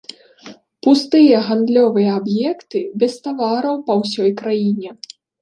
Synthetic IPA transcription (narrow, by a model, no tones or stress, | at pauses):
pust̪ɨjɐɣand̪lʲɔvɨjɐabjɛkt̪ɨbʲɛst̪avaɾɐwpɐwsʲɔjkɾajinʲɛ